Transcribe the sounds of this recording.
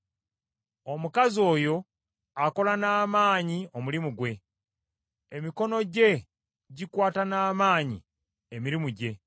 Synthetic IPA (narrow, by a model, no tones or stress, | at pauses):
o̞mukazio̞ːjo̞ | ako̞lanaːmaːɲiomulimuɡwe̞ | emiko̞no̞ɟe̞ | ɟikwaːtanaːmaːɲḭ | emiɾimuɟe̞